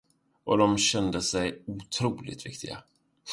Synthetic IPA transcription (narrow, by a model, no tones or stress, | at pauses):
ʔɔd̪ɔmɕɛnd̪əsɛjut̪ʰɾuːlɪ̰t̪vɪ̰kt̪ʰɪɡa̰